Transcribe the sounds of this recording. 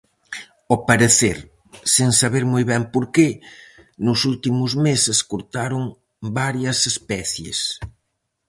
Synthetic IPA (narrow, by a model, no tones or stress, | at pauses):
opaɾeθeɾ | seŋsaβeɾmojβɛmpoɾke | nʊsult̪imʊzmeseskoɾt̪aɾʊŋ | baɾjɐsespɛθjḛs